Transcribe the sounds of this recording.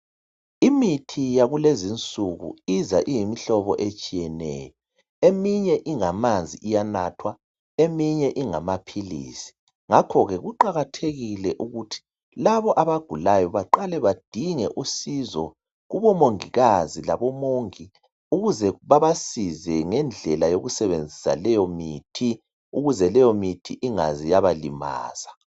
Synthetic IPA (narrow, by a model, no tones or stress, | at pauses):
imitʰijaɣulezint͡sʼuɣṵizaʔijimiɬɔβɔʔet͡ʃʼijɛnɛ̰ːjɔ | emiɲɛʔiŋamand͡zʱiijanatʰwa | emiɲɛʔiŋamapʰilḭːsi̥ | ŋakʰɔɣɛɣuǃaɣatʰeɣilɛʔuɣutʰi̥ | laβɔʔaβaɡ̥ʱulajɔβaǃalɛβad̥ʱiŋɛʔusizɔ | ɣuβɔmoŋiɣazilaβɔmoŋi | uɣuzɛβaβasizɛŋɛnd͡ɮʱɛlajoɣusɛβend͡zʱisa̰lɛjɔmiːtʰi | uɣuzɛlɛjɔmitʰiʔiŋazijaβalḭma̰ːz̥a